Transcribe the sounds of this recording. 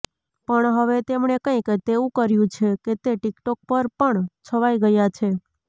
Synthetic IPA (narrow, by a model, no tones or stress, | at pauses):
pəɳɦəʋet̪emɳekə̃ĩket̪eũkəɾjũt͡ʃʰeket̪eʈikʈɔk̚pəɾpəɳt͡ʃʰəʋaiɡəjat͡ʃʰe